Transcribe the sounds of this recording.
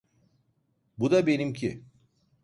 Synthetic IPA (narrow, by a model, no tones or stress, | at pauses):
bud̪abenimcʰḭ